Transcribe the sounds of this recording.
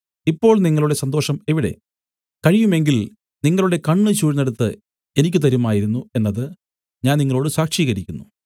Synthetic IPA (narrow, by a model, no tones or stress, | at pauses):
ipːo̞ːɭniŋːɐɭuɽe̞sɐnd̪o̞ːʂɐme̞ʋiɽe̞̰ | kɐɻijume̞ŋɡil | niŋːɐɭuɽe̞kɐɳːɨt͡ɕuːɻneɽut̪ːɨ | enikʲːɨt̪ɐɾumaːjiɾunːue̞nːɐðɨ | ɲaːnniŋːɐɭo̞ːɽɨsaːkʂiːɣɐɾikʲːunːu